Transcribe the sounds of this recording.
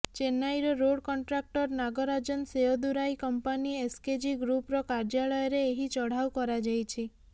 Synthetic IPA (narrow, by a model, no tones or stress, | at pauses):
t͡ʃenajɾɔɾoɽkɔɳʈɾak̚ʈɔɾnaɡɔɾad͡ʒɔnseɔd̪uɾajkɔmpaniesked͡ʒiɡɾupɾɔkaɾd͡ʒaɭɔjɔɾeːɦit͡ʃɔɽ̤awkɔɾad͡ʒajt͡ʃʰi